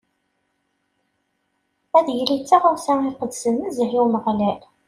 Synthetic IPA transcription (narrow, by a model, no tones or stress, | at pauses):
æðjlit͡sːaʁʊɾsæiqəd̪sənməzɦiwməʁlæl